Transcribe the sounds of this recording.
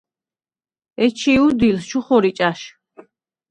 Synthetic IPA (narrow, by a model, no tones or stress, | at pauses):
ɛt͡ʃʰiud̪ilst͡ʃʰuχɔɾit͡ʃʼaʃ